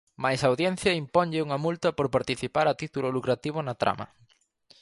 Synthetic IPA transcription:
majsawðjen̟θjɐimpɔɲʎɪuŋɐmult̪ɐpoɾpaɾt̪iθipaɾɐt̪it̪ulʊlukɾat̪iβ̞onɐt̪ɾa̰mɐ̰

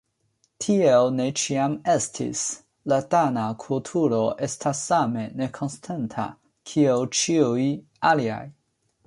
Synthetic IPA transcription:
tʰiewne̞t͡ʃiame̞stʰḭs | latanakʰultʰuɾo̞ʔe̞stʰasːame̞ne̞kʰo̞nstʰantʰa̰ | kʰiewt͡ʃiuj | alia̰j

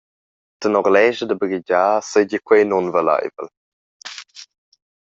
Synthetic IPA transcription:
tənɔɾlɛʒədəbɡiɟaːsəjɟəkwejnɔnvəla̰jvə̰l

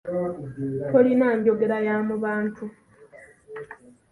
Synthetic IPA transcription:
tolinaːɲɟo̞ɡeɾajamuβaːntʰu

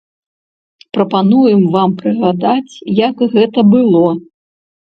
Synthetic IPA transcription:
pɾɐpanujɨmvampɾɨɣad̪at͡sʲjɐkɣɛt̪ɐbɨlˠɔ

